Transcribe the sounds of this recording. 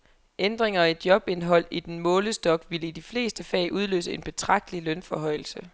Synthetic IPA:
ʔend̥ʁeŋɐed̥̚jɒ̽b̥e̝nɦɒ̽l̰id̥enmɔ̽ːləsd̥ɒ̽ɡ̥ʋiləid̥ifle̝̰ːsd̥əfɛ̰ːɪʔuð̞ˠlø̰ːsəe̝nb̥e̝t͡sʰʁɑ̈ɡ̥̚d̥əlilønfɒ̽ɦɒ̽ɪ̰l̩sə

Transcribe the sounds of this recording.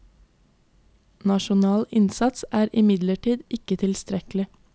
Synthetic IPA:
nɑʃʊnɑːlɪnsɑt̪sæːɾʔɪmɪd̪ləʈiːd̪ɪkət̪ʰɪlst̪ɾɛklɪ

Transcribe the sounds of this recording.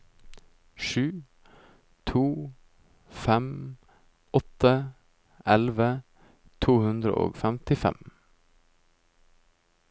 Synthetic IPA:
ʃʉː | t̪ʰuː | fɛm | ɔt̪ə | ʔɛlʋə | t̪ʰuːhʉnd̪ɾə̰ʔo̰ːɡfæmt̪ɪfɛ̰m

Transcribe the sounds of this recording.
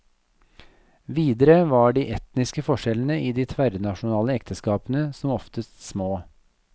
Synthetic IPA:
ʋiːd̪əɾəʋɑːɖiːʔɛt̪nɪskəfɔʂɛlənəʔiːd̪iːt̪ʰʋæɾnɑʃʊnɑːləɛkt̪ʰəskɑːpənəsɔmɔft̪əst̪smoː

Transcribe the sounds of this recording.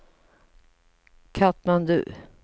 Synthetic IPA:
kʰat̪mand̪ʉ̰ː

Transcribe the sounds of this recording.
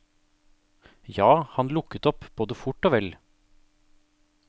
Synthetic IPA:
jɑːhɑnlʊkət̪ɔpb̥oːd̪əfʊʈoːʋɛl

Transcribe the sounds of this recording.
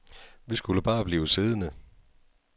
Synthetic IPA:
ʋisɡ̥uləb̥ɑ̈ːb̥liːʊseð̞ˠənə

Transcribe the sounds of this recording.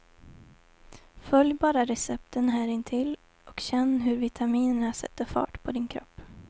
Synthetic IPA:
fœljbɑːɾaɾɛsɛpt̪ənɦæːɾɪnt̪ʰɪl | ɔkɕɛnːɦɵɾvɪt̪ʰamiːnəɳasɛ̰t̪ːəɾfɑ̰ːʈpʰɔd̪ɪnkʰɾɔ̰pː

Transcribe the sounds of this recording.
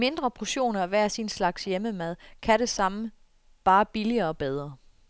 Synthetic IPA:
me̝nd̥ʁɐpʰoɕo̝̰ːnɐæʋæːɐsinslɑ̈ɡ̥sjeməmæð̞̰ˠkʰæɾ̥e̝sɑ̈mə | b̥ɑ̈ːb̥iliɐːɒ̽b̥eð̞ˠʁɐ

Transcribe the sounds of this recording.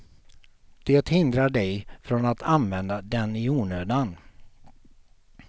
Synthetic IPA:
d̪̥eːt̪hɪnd̪ɾaɖɛjfɾɔnat̪ʰanvɛnd̪ad̪ɛnɪuːɳøːd̪an

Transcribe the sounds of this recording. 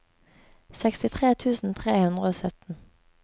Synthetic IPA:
sɛkst̪ɪt̪ʰʁeːt̪ʰʉːsn̩t̪ʰʁeːhʉnd̪ʁəoːsœt̪n̩

